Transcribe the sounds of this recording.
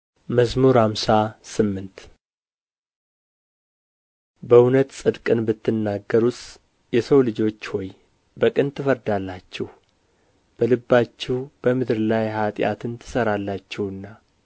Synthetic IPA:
məsmuɾhamsasɨmːɨnt̪ | bəʊnət̪sʼɨd̪kʼɨnbɨt̪ːɨnːaɡːəɾus | jɛsəwlɨd͡ʒo̞t͡ʃːhɔj | bəkʼɨnt̪ʰɨfəɾd̪alːat͡ʃːɛh | b̥əlɨbːat͡ʃːɛwb̥əmɨd̪ɾlajhat̪ʼja̰t̪ʰɨnt̪ʰɨ̥səɾalːat͡ʃːɛwɨnːa

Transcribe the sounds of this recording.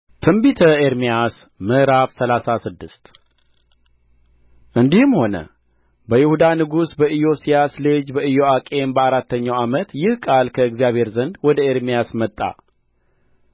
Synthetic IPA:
t̪ʰɨmbit̪ʰəeɾmijas | mɨʔɾafsəlasasɨd̪ːɨst̪ | ʔɨnd̪ihɨmho̞nə̰ | bəjɪhud̪anɨɡusbəʔɨjo̞sijaslɨd͡ʒbəɨjo̞akʼe̞mbəaɾat̪ʰːəɲːawamət̪jɪhkʼalkʰəɨɡzijaβhe̞ɾzənd̪wɔd̪əeɾmijasmət̪ʼːa̰

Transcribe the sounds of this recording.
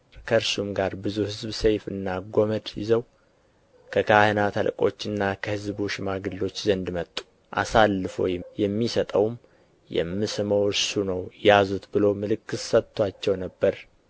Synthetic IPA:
kʰəɨɾsumɡaɾbɨzuhɨzbsejfɨ̰nːaɡoməd̪jɪ̰zəw | kʰəkʰahənat̪ʰəlkʼo̞̰t͡ʃːɨnːakʰəhɨzbuʃɪmaɡɨlːo̞t͡ʃːzənd̪mət̪ʼːu̥ | ʔa̰salːɨfo̰jɛjɛmːisət̪ʼəwm | jɛ̰mːɨsɨməwɨɾsunəwjazut̪bɨlo̞mɨlɨkːɨssət̪ʰːwat͡ʃːɛwnəbːəɾ

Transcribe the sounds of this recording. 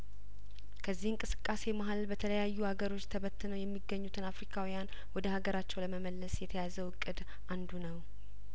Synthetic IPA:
kʰəzːihɨŋkʼɨsɨ̥kʼːase̞maɦalbət̪ʰələjajːuhaɡəɾo̞t͡ʃːt̪ʰəβət̪ːɨnəwjɛmːiɡːəɲːut̪ʰɨnafɾikʰawijan | wɔd̪əhaɡəɾat͡ʃːɛwləməməlːəsjɛt̪ʰəjazəwɨkʼːɨd̪ | ʔand̪unəw

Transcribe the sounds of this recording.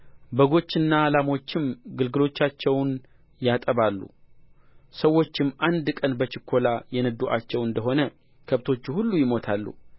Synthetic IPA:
bəɡo̞t͡ʃːɪnːaːlamo̞t͡ʃːɪmɡɨlɡɨlo̞t͡ʃːat͡ʃːɛwn | jat̪ʼəβalːṵ | səwːo̞t͡ʃːɪmʔand̪kʼənbət͡ʃɪkʰːo̞lajɛnəd̪uʔat͡ʃːɛwɨnd̪əɦo̞nə | kʰəβt̪ʰo̞t͡ʃːuhulːujɪmo̞t̪ʰalːṵ

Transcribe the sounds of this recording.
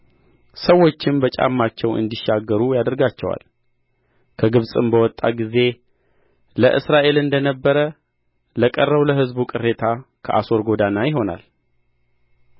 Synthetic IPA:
səwːo̞t͡ʃːɪmbət͡ʃʼa̰mːat͡ʃːɛwʔɨ̰nd̪iʃaɡːəɾujad̪əɾɡat͡ʃːɛwa̰l | kʰəɡɨβsʼɨmbəwɔt̪ʼːaɡize̞ | ləʔɨsɾaʔe̞lɨnd̪ənəbːəɾə | ləkʼərːəwləɦɨzbukʼɨrːe̞t̪ʰakʰəʔa̰so̞ɾɡo̞d̪anajɪɦo̞na̰l

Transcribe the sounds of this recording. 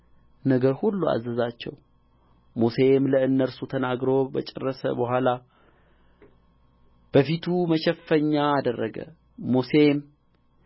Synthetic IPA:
nəɡəɾhulːua̰zːəzat͡ʃːɛ̰w | mose̞mləɨnːəɾsut̪ʰənaɡɾobə̰t͡ʃʼɛrːəsə̰bəhʷala | b̥əfit̪ʰuməʃɛfːəɲːaːd̪ərːəɡə̰ | mosem

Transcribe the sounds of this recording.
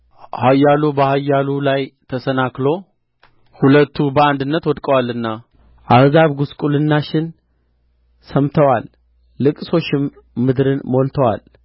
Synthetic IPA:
hajːalubəhajːalulajt̪ʰəsənaklo̞ | hulət̪ʰːubəand̪ɨnːət̪wɔd̪kʼəwalːɨnːa | ʔahzaβɡuskʼulɨnːaʃɪn | səmt̪ʰəwalː | ɨkʼso̞t͡ʃːɪmː | ɨd̪ɾɨnmo̞lt̪ʰəwa̰l

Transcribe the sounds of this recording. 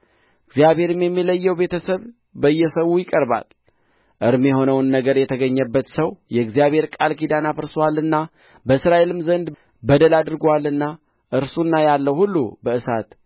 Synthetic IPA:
ɨɡzijaβhe̞ɾɨmjɛmːiləjːɛwbe̞t̪ʰəsəβ | bəɨjːɛsəwujɪkʼəɾba̰l | ʔɨɾmjɛho̞nəwnːəɡəɾjɛt̪ʰəɡəɲːəbːət̪səwjɛɡzijaβhe̞ɾkʼalkid̪anafɨɾswalːɨnːa | bəsɾaʔelɨmzənd̪ | bəd̪əlad̪ɨɾɡalːɨnːa | ʔɨɾsunːajalːəwhulːṵbəɨsat̪

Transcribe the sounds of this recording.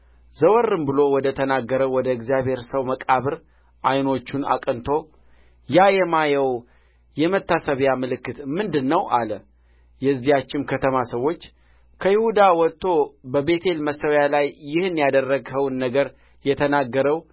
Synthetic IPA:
zəwɔrːɨmbɨlo̞wɔd̪ət̪ʰənaɡːəɾəwwɔd̪əɨɡzijabhe̞ɾsəwməkʼaβɨɾ | ʔajno̞t͡ʃːuna̰kʼənt̪ʰo̞ | jajɛmajəw | jɛmət̪ːasəβjamɨlɨkːɨt̪mɨnd̪ɨnːəwʔalə | jɛzːijat͡ʃːɪnkʰət̪ʰəmasəwːo̞t͡ʃː | kʰəjɪhud̪awɔt̪ʰːo̞bəbe̞t̪ʰe̞lməsːəwjalajːɪhɨnjad̪ərːəɡhəwnːəɡəɾ | jɛt̪ʰənaɡːəɾəw

